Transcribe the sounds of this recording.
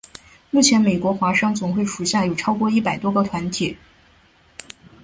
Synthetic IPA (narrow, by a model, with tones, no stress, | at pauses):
mu˥˩t͡ɕʰjɛ˧˥nme˨˩ɪkwɔ˧˥xwa˧˥ʂɑ˥ŋt͡sʊ˨˩ŋxwe˥˩ɪʂu˨˧˩ɕja˥˩jo˨˩ʈ͡ʂʰɑ˥ʊkwɔ˥˧i˥˩pa˨˩ɪt̪wɔ˥ɡə˨˧t̪ʰwa˧˥nt̪ʰi˨˩˦